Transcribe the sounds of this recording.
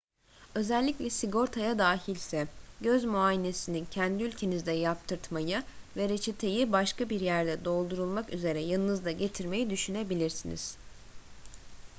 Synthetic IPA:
ø̞zælʲːiclʲɛsiɡo̞ɾt̪ʰajad̪aːɦilʲsɛɟøzmuajine̞sinincʰænd̪iylʲcʰe̞nizd̪ɛjapt̪ʰɯɾt̪majɯvɛɾet͡ʃʰet̪ʰe̞jibaʃkabiɾjæɾd̪ɛd̪o̞lˠd̪uɾulˠmakyze̞ɾɛjɯlˠnɯzd̪ˠaɟe̞t̪ʰiɾme̞jid̪yʃynebilʲiɾsinḭz̥

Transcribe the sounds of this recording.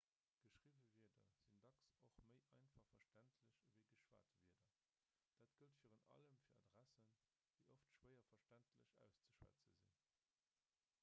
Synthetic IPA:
ɡ̥əʃʁivəviːɐdɐ̰z̥indɑksoχməɪʔɑɪnfɑχfɐʃtæntʰləɕəvəɪɡəʃwa̰ːtviːɐdɐ | d̥aːtɡ̥əltfiːʁənɑ̰ləmfiːɐɑ̰dʁæsən | d̥əɪʔoftʃwəɐfɐʃtæntʰləɕæ̰ʊst͡səʃwæ̰t͡sə̰zḭn

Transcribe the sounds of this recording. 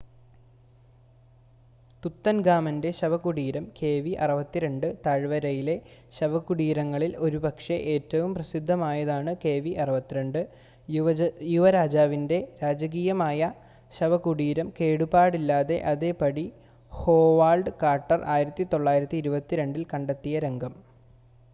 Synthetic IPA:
t̪ut̪ːɐnɡaːmɐnde̞ɕɐʋɐkuɽiːɾɐmke̞ːʋiʔɐ̰ruʋɐt̪ːiɾe̞ɳɖɨt̪ɐɻʋɐɾɐjile̞ɕɐʋɐkːuɽiːɾɐŋːɐɭilo̞ɾubɐkʂeʔe̞ːtːɐʋumprɐsid̪ʱːɐmaːjɐðaːɳɨke̞ːʋiʔɐruʋɐt̪ːiɾeɳɖɨ | juʋɐɾaːd͡ʑaːʋinde̞ɾaːd͡ʑɐɣiːjɐmaːjɐ | ɕɐʋɐkuɽiːɾɐmke̞ːɽubaːɽilːaːðe̞̰ʔɐðepɐɽi | ho̞ːʋaːɭɖɨkaːrʈːɐrʔa̰ːjiɾɐt̪ːit̪o̞ɭːaːjiɾɐt̪ːiːɾubɐt̪ːiɾe̞ɳɖilkɐɳɖɐt̪ːijɐɾe̞ŋɡʱɐm

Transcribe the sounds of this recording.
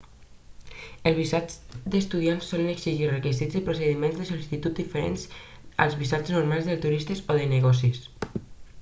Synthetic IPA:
əlzβisad͡ʒd̪əst̪uðiansːɔləneksiʒirəkizizðepɾuseðimẽnzðəsolisit̪ut̪̚d̪ifəɾḛnz | a̰lˠzβisat͡ʃznuɾmalˠzðəlt̪uɾist̪esoðəneɣɔsis

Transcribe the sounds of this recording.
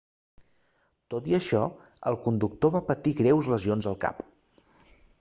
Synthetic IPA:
t̪ot̪iəʃɔ | ə̰lˠkund̪uk̚t̪oβapət̪iɣɾɛwzləzionzəlˠka̰p

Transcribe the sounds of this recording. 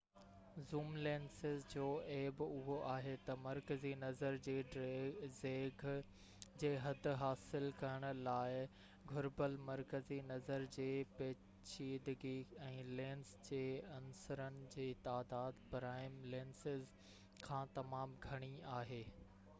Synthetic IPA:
zuːmleːnsɪzd͡ʑoːeːbʊɦoʔaːɦet̪ɐmɐɾkəzinɐzəɾd͡ʑeːɖzeːɡʱ | d͡ʑeːɦɐd̪̆ʱɦaːsɪlkɐɾəɽ̃ʊ̆laːɪ | ɡʱʊɾbəlmɐɾkəzinɐzəɾd͡ʑeːpeː | t͡ɕiːd̪ɡiɛ̃ːlẽːnsd͡ʑeːɐnsəɾənɪ̆d͡ʑeːt̪aːd̪aːd̪pɾaːɪmleːnsɪz | kʰãːt̪ɐmaːmɡʱɐɽ̃iaːɦeː

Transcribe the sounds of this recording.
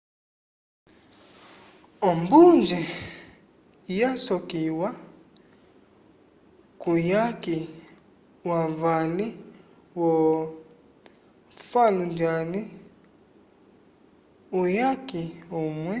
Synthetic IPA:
ɔmbund͡ʒi | jasɔkiwa | kujaki | waɱvali | wɔ | falund͡ʒani | ujakiomwɛ

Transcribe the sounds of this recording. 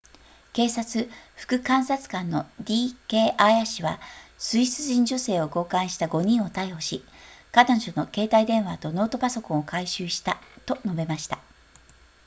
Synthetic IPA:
ke̞ːsat͡sɨɸɯ̥kɯ̟kãɰ̃sat͡sɨ̥kãnːo̞d̪ʲiːke̞ːʔaiaɕiβa̰sɨiɕt͡sɨʑĩɲ̟d͡ʑo̞se̞ːo̞ɡo̞ːkãɰ̃ɕi̥t̪aɡo̞ɲ̟ĩɰ̃o̞t̪aiho̞ɕikad̪aʑono̞ke̞ːt̪aid̪ẽ̞ɰ̃βat̪o̞no̞ːt̪o̞paso̞kõ̞okaiɕɨːɕi̥t̪at̪o̞no̞be̞maɕi̥t̪a

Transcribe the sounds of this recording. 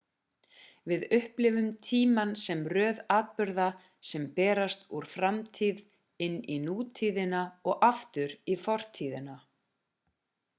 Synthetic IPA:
vɪðʏhplɪvʏmt̪ʰiːmansɛmrœːðaːt̪̚pʏɾða | sɛmpɛːɾast̪uɾ̥fɾamt̪ʰið | ɪnːinuːt̪ʰiðɪnaɔɣaft̪ʏɾifɔr̥t̪ʰiːðɪna

